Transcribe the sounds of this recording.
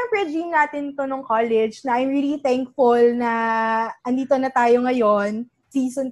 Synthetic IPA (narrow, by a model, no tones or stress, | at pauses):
ɐŋpɹɛd͡ʒimnaːt̪ɪnt̪onoŋkaːlɛd͡ʒnɐʔɐjmɹilit̪ɛŋk̚fʊlnɐʔɐnd̪iːt̪onɐt̪aːjo̞ŋɐjon | siːson